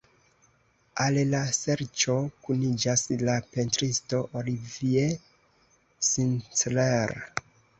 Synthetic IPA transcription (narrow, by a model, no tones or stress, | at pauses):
allase̞ɾt͡ʃo̞kunid͡ʒaslape̞ntɾisto̞ʔolivie | sint͡sleɾa